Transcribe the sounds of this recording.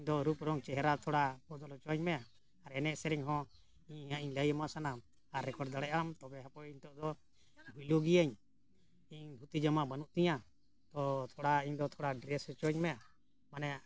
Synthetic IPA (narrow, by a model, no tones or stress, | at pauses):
iɲd̪ɔɾupɾɔŋt͡ʃɛɦɛɾat̪ʰɔɽapɔd̪ɔlɔt͡ʃɔɲmɛa | aɾɛnɛʔsɛɾiɲɦɔ̃ | iɲaʔiɲləjəmasanam | aɾːɛkɔɖd̪aɽɛʔamt̪ɔbɛɦapɔiɲt̪ɔʔd̪ɔ | bʱujluɡiaɲ | iɲbʱut̪id͡ʒamaʔbanuʔt̪iɲa | t̪ɔt̪ʰɔɽaiɲd̪ɔt̪ʰɔɽaɖɾɛst͡ʃɔɲmɛa | manɛja